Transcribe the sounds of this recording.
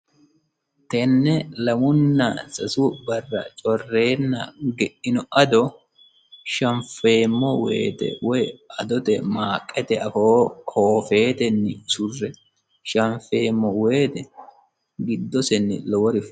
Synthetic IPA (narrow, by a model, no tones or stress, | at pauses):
t̪ɛnːɛlɐmʊnːɐ̰sɐsʊbɐrːɐ̰t͡ʃʼɔrːe̞ːnːɐɡɛʔɪnɔʔɐd̪ɔ | ʃɐɱfe̞ːmːɔwḛːt̪ɛ̰wɔjɐd̪ɔt̪ɛmaːkʼːɛt̪ɛɐfoːkoːfe̞ːt̪ɛnːɪsʊrːɛ | ʃɐɱfe̞ːmːɔwe̞ːt̪ɛ | ɡɪd̪ːɔsɛnːɪ̰lɔwɔɾɪf